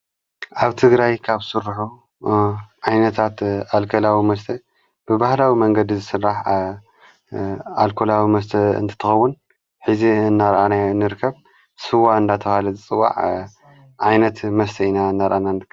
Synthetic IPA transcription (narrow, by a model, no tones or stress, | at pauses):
ʔaβt̪ʰɨɡɾajkʰaβsɨɾħu | ʕajnɐt̪ʰat̪alkʰɐlawimɐst̪ʰɐ | b̥ɨbahlawimɐŋɡɐd̪izɨsɨrːaħ | alkʰolawimɐst̪ʰɐɨ̰nt̪ʰɨ̥t̪ʰːɐxɐwːʊn | ħɨziɨnːaɾʔanaɨnːɨɾɨkʰːɐβ | sɨwaɨnd̪at̪ʰɐβalɐzɨt͡sʼɨwːa̰ʕ | ʕajnɐt̪mɐst̪ʰɐinaɨnːaɾʔananɨɾkʰː